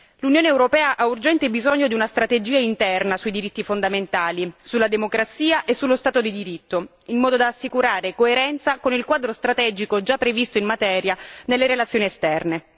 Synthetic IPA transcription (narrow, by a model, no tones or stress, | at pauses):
lunjoːneːwɾopɛːaʔaurd͡ʒɛnt̪ebizoɲːod̪iunast̪ɾat̪ed͡ʒiːaint̪ɛrnasuid̪iɾit̪ːifond̪ament̪aːlisulad̪emokɾat̪siːaʔesːulːost̪aːt̪od̪id̪iɾit̪ːo | immɔːd̪od̪aːsːikuɾaːɾekoeɾɛnt̪sakonilkwaːd̪ɾost̪ɾat̪ɛːd͡ʒikod͡ʒapːɾevist̪oimmat̪ɛːɾjanelːeɾelat̪sjoːniest̪ɛrne